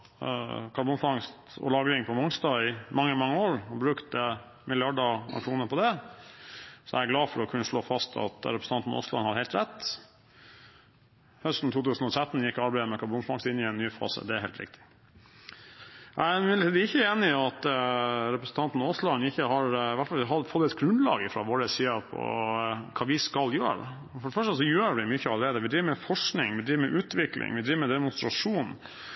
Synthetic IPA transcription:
kʰɑɾbʊnfɑŋst̪ɔ̰lɑːɡɾɪŋpʰɔmɔŋst̪ɑːɪmɑŋːəmɑŋːəoːɾɔbɾʉkt̪ə | mɪlɪɑɖɑɑ̰kʂuːnəɾpʰɔd̪ɛ | sɔæɪɡlɑːfɔɾɔkʰʉnːəʂɭoːfɑst̪ʰɑ̰t̪ɾɛpʰɾsn̩ɑnt̪n̩ʔo̰ːslɑ̰nhɑɾheɪlt̪ɾɛt̪ː | hœst̪n̩t̪uːt̪ʰʉːsn̩ɔt̪ʰɾɛt̪ːn̩jɪkːɔɑɾbæɪd̪əmɛkʰɑɾbʊnfɑŋst̪ɪnːɪɛnːyːfɑ̰ːsə̰d̪ɛæɾheːlt̪ɾɪ̰k̚t̪ʰɪ̥ | æɪæmɪnɪt̪iːd̪ɪçːəeːnɪɑt̪ɾɛpɾəsn̩t̪ʰɑnt̪n̩oːslɑnɪçːəɦɑɾʋæʈfɑlɦɑfɔt̪ːɛt̪ɡɾʉnd̪lɑ̰ːɡɪfɾɑʋoːɾəsiːəpʰɔ̰kʰɑːʋɪskɑljø̰ːɾ̰ | fɔɖəfœʂʈəsɔjøːɾʋɪmʏçːəɑləɾeːd̪əʋɪd̪ɾiːʋəmɛfɔʂknɪ̰ŋʋɪd̪ɾiːʋəmɛʔʉːt̪ʋɪklʔɪ̰ŋʋɪd̪ɾiːʋəmɛd̪ɛmʊnst̪ɾɑʂuːn

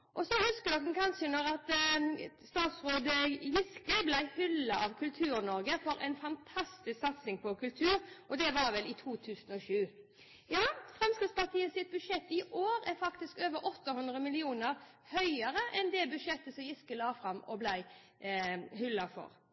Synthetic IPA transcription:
ʔɔsɔhʉskəd̪ɔk̚hnkʰɑnʂənɔɾɑt̪ | st̪ɑːt̪sʁoːd̪əjɪskəblæɪhʏlːɑʔɑʋkʰʉlt̪ʰʉːɾnɔɾɡəfɔɾʔɛ̰ɪnfɑnt̪ʰɑst̪ɪsksɑt̪sɪŋpʰɔkʉlt̪ʰʉːɾʔɔd̪ɛʋɑɾʋɛlɪt̪ʰuːt̪ʰʉːsənɔʂʉː | jɑːfɾɛmskɾɪt̪spɑʁt̪ʰiːəsɪt̪̚bʉʂɛt̪ːɪʔoːɾɛɾfɑkt̪ɪskøːʋəɾʔɔt̪ːɑhʉnd̪ɾəmɪlɪuːnəɾ | hœʏəɾəʔɛnd̪ɛbʉd̪ʂɛt̪ːəsɔmjɪskəlɑːfɾɑmːɔ̰blæɪ | hʏlːɑfɔ̰ɾ

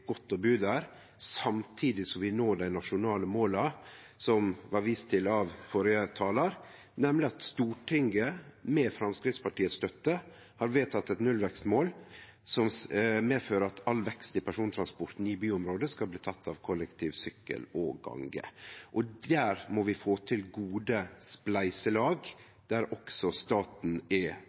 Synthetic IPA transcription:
ɡ̥ɔt̪ːɔbʉːd̪æɾ | sɑmt̪ʰiːd̪ɪsɔmʋɪnoːɖæɪnɑʂʊnɑːləmoːlɑ | sɔmʋɑɾʋiːst̪ʰɪlɑʋfɔɾjət̪ʰɑːlɑɾ | nɛmlɪɑt̪st̪uːʈʰɪŋɡəmɛːfɾɑmskɾɪt̪spɑʈiːət̪st̪œt̪ːə | hɑɾʋeːt̪ʰɑt̪ːɛt̪nʉlʋɛkst̪moːl | sɔmmeːføːɾəɑt̪ʰɑlʋɛkst̪ɪpʰæʂuːnt̪ʰɾɑnspɔɾt̪n̩ɪbyːɔmɾoːd̪əskɑlbliːt̪ʰɑt̪ʰːɑʋkʰɔləkt̪ʰiːʋsʏkːə̰lɔɡɑ̰ŋɡə̰ʔɔd̪æɾmɔʋɪfoːt̪ʰɪlɡuːd̪əsplæɪsəlɑːɡ | d̪̥æɾɔksɔst̪ɑːt̪n̩ɛ

